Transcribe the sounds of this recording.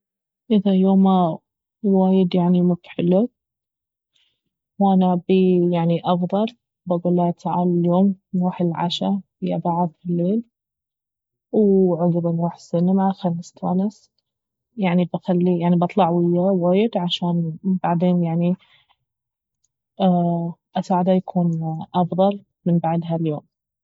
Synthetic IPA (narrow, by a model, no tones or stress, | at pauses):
ʔɪðajoːma | waːjɪd̪jaʕnimʊbt̪ħɪlːʊ | wʔanabijaʕniʔɑfðˤɑl | baɡuːlːat̪ʰaʕa̰ːlaljoːmnuːħɪlʕa̰ʃa | ɪja̰baʕɑðˤfɪlːeːl | wʕʊɡɾɪnwaːħsɪnamaxamst̪ʰa̰las | jaʕnibaxalːijaʕnibɑt̪ˤlɑʕwɪjːawaːjɪd̪ʕaʃaːnbaʕd̪eːnjaʕni | ʔasaːʕd̪ajakʰuːnʔɑfðˤɑl | mɪnbaʕd̪ɦaljoːm